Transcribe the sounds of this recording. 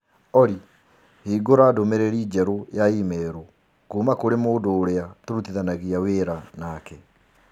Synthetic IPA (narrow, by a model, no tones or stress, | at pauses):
ɔɾi | hiːɡoɾadomeɾeɾiːd͡ʑɛɾojaimɛːɾo | kumakoɾemoːdoːɾeatoɾut̪iðanaɣiaweːɾanakɛ